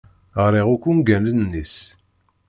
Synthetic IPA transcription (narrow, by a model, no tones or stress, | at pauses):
əʁɾiʁukʷːunɡænənnːis